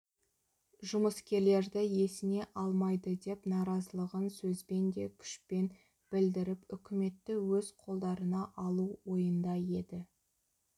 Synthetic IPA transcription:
ʒʊməskʲe̞ɾle̞ɾd̪ɪje̞sɪne̞ʔɑlˠmɑjd̪əd̪e̞pnɑɾɑzəlˠəʁənsɵzbe̞nd̪e̞kʲʰʏ̥ʃpe̞n | b̥ɪld̪ɪɾɪpʏkʲɪme̞t̪ːɪwɵz̥qʰo̞lˠd̪ɑɾənɑʔɑlˠuwo̞jənd̪ɑje̞d̪ɪ

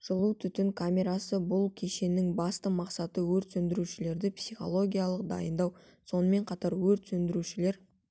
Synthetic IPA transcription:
ʒ̥əlˠut̪ʰʏt̪ɪŋkʰamʲe̞ɾasəbʊlˠkʲʰe̞ʃe̞nɪŋbɑst̪əmɑqsɑt̪əwɵɾt̪sɵnd̪ɪɾuʃɪle̞ɾd̪ɪpsijχo̞̰lˠo̞ɡʲijalˠəqd̪ɑ̰jənd̪ɑw | so̞nəme̞ɴqʰɑt̪ɑɾwɵɾt̪sɵnd̪ɪɾuʃɪle̞ɾ

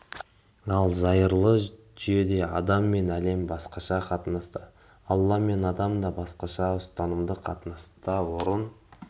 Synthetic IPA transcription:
ɑlˠzɑjəɾlˠə | ʒʏje̞d̪e̞ɑd̪ɑmːe̞næle̞mbɑsqɑʃɑqʰɑt̪ənɑst̪ə | ɑlˠːɑme̞nɑd̪ɑmd̪ɑbɑsqɑʃɑʊst̪ɑnəmd̪əqʰɑt̪ənɑst̪ɑwoɾən

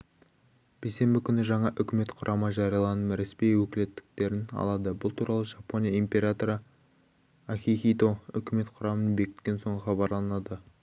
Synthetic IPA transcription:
b̥ejse̞mbɪkʲʰʏnɪʒɑɴɑʔʏkʲɪme̞t̪qʰʊɾʔɑməʒɑɾijɑlˠɑnəmɾespijwɵkʲɪle̞t̪ːɪ̥k̚t̪e̞ɾɪnɑ̰lˠɑd̪əbʊlˠt̪ʰuɾɑlˠəʒɑpo̞nʲijaimpʲe̞ɾat̪o̞ɾə | aχʲixʲijt̪o̞ʏ̰kʲɪme̞t̪qʰʊɾɑmənbe̞kʲɪt̪kʲe̞nso̞ɴəχɑbɑɾlˠɑnɑd̪ə

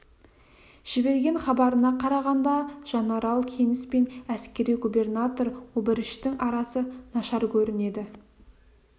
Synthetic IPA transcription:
ʒ̥ɪbe̞ɾɡʲe̞ŋχɑbɑɾənɑqʰɑɾɑʁɑnd̪ɑʒ̥ɑnɑɾɑlˠkʲʰe̞nɪspe̞næskʲe̞ɾijɡubʲe̞rnat̪o̞ɾwɵbɪɾɪʃt̪ɪŋʔɑɾɑsənɑʃɑɾkʲʰɵɾɪne̞d̪ɪ

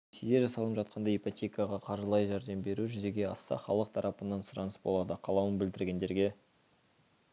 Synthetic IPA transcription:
sed̪eʒɑsɑlˠəpʒɑt̪̚qɑnd̪ɑipot̪ʲe̞kəjɑʁɑqʰɑɾʒəlˠɑjʒæɾd̪embe̞ɾuʒʏze̞ɡʲe̞ɑst̪ɑ̰χɑ̰lˠəq̚t̪ʰɑɾʔɑpənːɑnsʊɾɑnəsbo̞lˠɑd̪əqʰɑlˠɑwənbɪld̪ɪɾɡʲe̞nd̪e̞ɾɡʲe̞

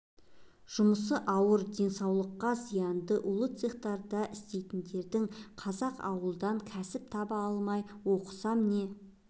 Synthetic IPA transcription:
ʒ̥ʊməs̬əʔɑwəɾd̪e̞nsɑwlˠəqːɑzijɑnd̪əʔʊlˠət̪seχt̪ɑɾd̪ɑʔɪst̪e̞jt̪ɪnd̪e̞ɾd̪ɪŋqʰɑzɑqɑ̰wəlˠd̪ɑŋkʲʰæsɪp̚t̪ʰɑbɑɑlˠmɑjwo̞qə̥sɑmɪne̞

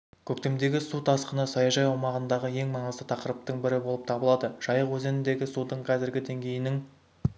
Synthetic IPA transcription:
kʲʰɵk̚t̪e̞md̪e̞ɡʲɪsut̪ʰɑsqənəsɑjɑʒɑjumɑʁənd̪ɑʁəje̞ŋmɑɴəzd̪ət̪ʰɑqəɾəp̚t̪əɴbɪɾɪbolˠəp̚t̪ʰɑbəlˠɑd̪əʒ̥ɑjəqwɵzenɪnd̪e̞ɡʲɪsud̪əɴqʰɑzɪɾɡʲɪd̪e̞ŋɡʲe̞jɪnɪŋ

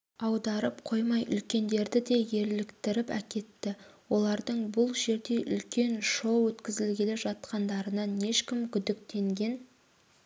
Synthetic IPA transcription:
ɑwd̪ɑɾəp̚qʰo̞jmɑjʔʏ̰lkʲe̞nd̪e̞ɾd̪ɪd̪e̞je̞ɾlɪkt̪ɪɾɪpæ̰kʲe̞t̪ːɪwo̞lˠɑɾd̪əɴbʊlˠʒe̞ɾd̪e̞ʔʏ̰lkʲe̞nʃo̞wwɵt̪kʲɪzɪlɡʲeleʒɑt̪̚qɑnd̪ɑɾənɑne̞ʃkʲɪmkʲʰʏd̪ɪk̚t̪e̞ŋɡʲe̞n

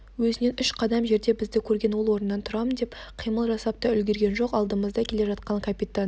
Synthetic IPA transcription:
wɵzɪne̞nʏʃqʰɑd̪ɑmʒe̞ɾd̪e̞bɪzd̪ɪkʲʰɵɾɡʲe̞nwo̞lˠwo̞ɾənːɑnt̪ʰʊɾɑmənd̪epqʰijməlˠʒɑsɑp̚t̪ɑʏlɡʲe̞ɾɡʲe̞nʒo̞qɑlˠd̪əməzd̪ɑkʲʰe̞le̞ʒɑt̪̚qɑɴkʰapʲit̪an

